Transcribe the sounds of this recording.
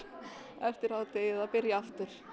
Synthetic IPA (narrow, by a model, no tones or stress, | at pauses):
ɛft̪ɪɾaːwt̪eːjɛðaðpɪɾjaaft̪ʏɾ̥